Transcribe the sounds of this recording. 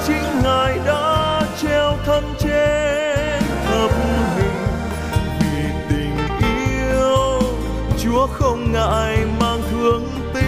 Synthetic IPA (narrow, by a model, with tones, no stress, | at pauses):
t͡ɕï˨˦ŋ̟ŋaː˨˩jɗa̰ː˧˥t͡ɕɛ˧wt̪ʰə˧nt͡ɕe˧ | nt̪ʰə˨˩p̚mɦi˨˩ŋ̟ | vi˨˩t̪ï˨˩ŋ̟ʔi˧˥ | əəw | t͡ɕu˨˦əxə˧wŋ͡mŋa̰ː˧jmaː˧ŋt̪ʰɨ˨˦əŋ | t̪i˧˦